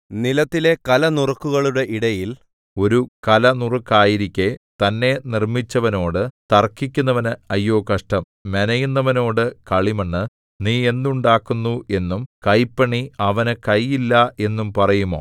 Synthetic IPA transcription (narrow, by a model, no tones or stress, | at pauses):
nilɐt̪ːile̞kɐlɐnurɐkːuɣɐɭuɽe̞ʔiɽɐjil | o̞ɾukɐlɐnurukːaːjiɾikʲːet̪ɐnːe̞nirmit͡ɕːɐʋɐno̞ːɽɨt̪ɐrkːikʲːunːɐʋɐnɨɐjːo̞ːkɐʂʈɐm | menɐjunːɐʋɐno̞ːɽɨkɐɭimɐɳːɨ | niːe̞nd̪uɳɖaːkːunːuʔe̞nːumkɐjpːɐɳiɐʋɐnɨkɐjːilːɐe̞nːumpɐrɐjumo̞̰ː